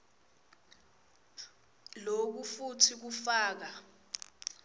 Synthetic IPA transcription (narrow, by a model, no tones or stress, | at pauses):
lok̬ufutʰik̬ufaːk̬a